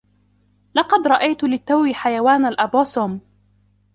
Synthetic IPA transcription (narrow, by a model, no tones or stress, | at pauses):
lɑqɑd̪ɾˤɑʔajt̪lɪt̪ːawiːħajawaːnalʔabaːsuːm